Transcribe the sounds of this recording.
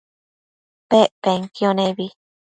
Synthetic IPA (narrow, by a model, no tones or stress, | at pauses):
peʔpeŋkioneβi